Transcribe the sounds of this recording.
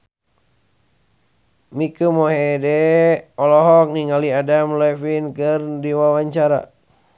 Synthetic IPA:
mikumoɦedɛɔlɔɦɔk̚niŋaliadamlɛfinkɨrdiwawaɲt͡ʃaɾa̰

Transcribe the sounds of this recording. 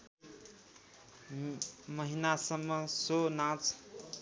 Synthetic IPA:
mʌɦinasʌmːʌsonãt͡s

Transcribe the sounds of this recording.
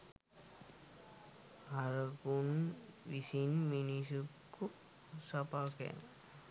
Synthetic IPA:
haɾəkunʋisinminisukː | u | sapakḛn

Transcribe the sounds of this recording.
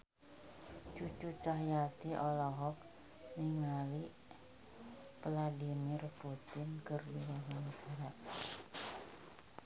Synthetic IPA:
t͡ʃut͡ʃut͡ʃaɦjat̪iʔɔlɔɦɔk̚ | niŋali | pladimɪrput̪ɪnkərdiɾaɦiŋd̪ʰaɾak̚

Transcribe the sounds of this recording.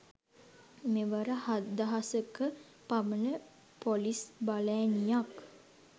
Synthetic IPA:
meʋəɾəhad̪aɦasəkə | pamənə | polisbalɛːnijak

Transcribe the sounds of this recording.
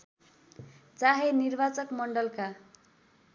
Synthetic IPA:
t͡saɦenirbat͡sʌkmʌɳɖʌlka

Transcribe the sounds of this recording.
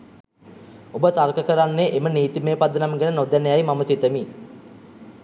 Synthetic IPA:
obət̪arkəkəɾanːeʔeməniːt̪imeːpad̪ənamɡenənod̪ænəjajmaməsit̪əmi

